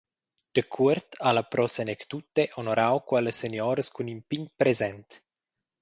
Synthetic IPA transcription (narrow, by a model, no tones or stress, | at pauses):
d̪̥əkʰuɾt̪alapɾosenekt̪ut̪ːeʔonoɾawkwaləsenjoːɾəskunimpiɲpɾezɛnt̪